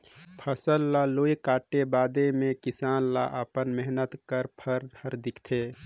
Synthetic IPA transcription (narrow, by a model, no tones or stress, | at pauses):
pʰəsəlːaloːjkaːʈebaːd̪emẽkɪsaːnla̰ʔəpənmɛɦnət̪kəɾpʰəɾd̪əɾd̪ɪkʰt̪ʰeː